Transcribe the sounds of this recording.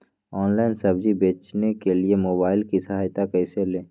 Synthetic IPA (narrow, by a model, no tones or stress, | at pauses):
ɔːnlaːɪnsɐbd͡ʒibeːt͡ʃnekeliemoːbaːɪlkisɐɦaːjt̪akɛːselẽː